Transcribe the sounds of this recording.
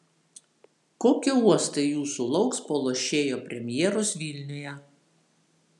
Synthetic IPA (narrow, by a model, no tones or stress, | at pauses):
koːkʲɪuɔst̪ɐɪjuːsulˠɒʊkspolˠoːʃʲeːjoːpʲɾʲɛmʲjɛːɾoːsʋʲilʲnʲɪjɛ